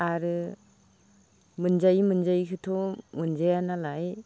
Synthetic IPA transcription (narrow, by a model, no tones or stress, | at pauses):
aɾɯ | mɯnzajimɯnzajkʰɯtʰɔmɯnzajanalaj